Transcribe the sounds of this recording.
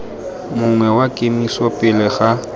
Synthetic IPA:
mʊŋwɛwakʼemisɔpʼɪlɪɣa

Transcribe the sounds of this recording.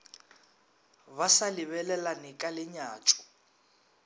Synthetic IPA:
βasalɪβɛlɛlanɪkʼalɪɲaːt͡ʃʼʊ̥

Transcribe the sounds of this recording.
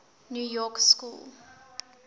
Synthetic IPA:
njujɔkskṵl

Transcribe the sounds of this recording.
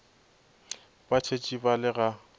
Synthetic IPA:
bat͡ʃʰet͡ʃʼibalɪɣa

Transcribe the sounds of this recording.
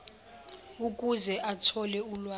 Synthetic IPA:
ukʼuzɛʔatʰɔlɛulwa

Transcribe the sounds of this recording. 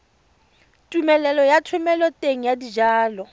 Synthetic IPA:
tʼumɛlɛlɔjatʰwʊmɛlɔtʼeŋ̩jadid͡ʒaːlɔ

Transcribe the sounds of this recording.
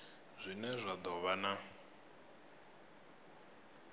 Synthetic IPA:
zʷinɛzʷad̪ɔβana

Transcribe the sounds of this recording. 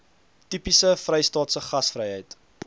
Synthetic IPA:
tipisəfrɛjstɑːtsəχɐsfrəjɦəjt

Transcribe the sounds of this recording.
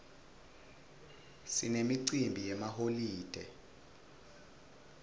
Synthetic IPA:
sinemiǀimbʱijɛmaholiːd̥ʱɛ

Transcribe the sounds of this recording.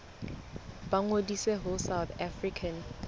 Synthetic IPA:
baŋodiseɦʊsawt̪ʰafrikʰan

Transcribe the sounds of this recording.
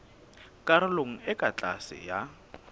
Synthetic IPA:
kʼaɾɪloŋ̩ɪkʼat͡ɬʼa̰sɪ̰ja

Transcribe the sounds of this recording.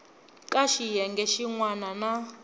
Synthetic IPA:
kʼaʃijɛŋɡɛʃiŋwanana

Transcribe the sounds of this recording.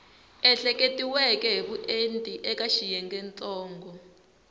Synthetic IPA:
ɛɬɛkʼetʼiwɛkʼɛɦiɓuʔentʼiʔɛkaʃijɛŋɡɛnt͡sʼɔːŋɡɔ

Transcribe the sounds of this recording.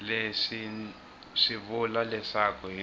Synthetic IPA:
lesi | ʂiβulalɛsakʰɔɦi

